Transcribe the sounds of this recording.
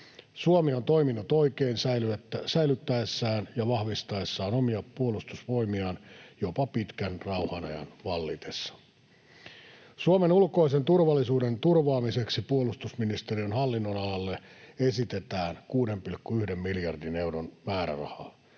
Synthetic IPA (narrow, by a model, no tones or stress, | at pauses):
suomiont̪o̞iminːut̪o̞ikeːinsælysæjlyt̪ːæesːæːnjɑʋɑhʋist̪ɑesːɑːnomiɑpːuolust̪usʋo̞imiɑnjopɑpit̪kænrɑuhɑnɑ̰jɑ̰nʋɑlːit̪esːɑ̥ | suomenulko̞isent̪urʋɑlːisuːdent̪urʋɑːmiseksipuolust̪usminist̪eriønhɑlːinːonɑlɑlːeesit̪et̪æːnkuːde̞mpilkːuyhdemːiljɑrdine̞uɾonmæːɾæ̰rɑ̰hɑ̰ː